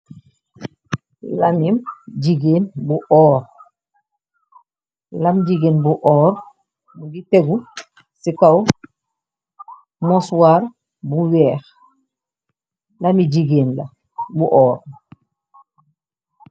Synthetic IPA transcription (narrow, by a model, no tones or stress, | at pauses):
lamimɟiɡeːnbuʔɔːɾ | lamɟiɡenbuʔɔːɾ | muɡiteɡu | sikaw | moswaːɾ | buwɛːx | lamiɟiɡeːnla̰ | buʔɔːɾ